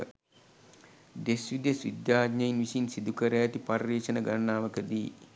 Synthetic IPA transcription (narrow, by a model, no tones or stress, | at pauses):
d̪esʋid̪ɐsʋḭd̪jaːɡɲɐjinʋisinsid̪ukɐɾɐjɐt̪ipɐrːeːʃɐnɐɡɐnːaːʋɐkəd̪iː